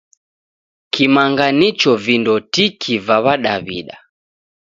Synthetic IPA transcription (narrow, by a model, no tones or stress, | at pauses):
kimaŋɡanit͡ʃɔvindɔtikʰivaβaɗaβiɗa